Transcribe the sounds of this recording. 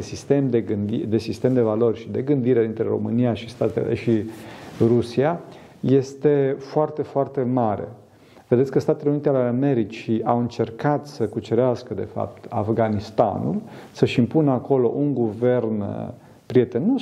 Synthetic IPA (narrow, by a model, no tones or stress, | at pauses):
sist̪emd̪eɡɨnd̪id̪e̞sist̪e̞md̪e̞valo̞rʲʃid̪e̞ɡɨnd̪iɾe̞d̪int̪ɾe̞ɾo̞̰mɨniaʃist̪at̪el̰ʃi | rusia | je̞st̪e̞foart̪e̞foart̪e̞maɾe̞̰ | ve̞d̪et̪sʲkəst̪at̪eleunit̪ealeame̞ɾit͡ʃiʔawɨnt͡ʃe̞rkat̪səkut͡ʃeɾeaskəd̪e̞̰fa̰p̚t̪afɡanist̪a̰nṵlsəʃimpunəako̞lo̞̰ʔuŋɡuve̞rn | pɾie̞t̪e̞no